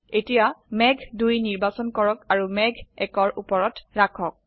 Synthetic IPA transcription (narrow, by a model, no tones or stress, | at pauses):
etijamɛɡʱdujniɹbasɔnkɔɹɔkaɹumɛɡʱɛkɔɹupɔɹɔtɹakʰɔk̚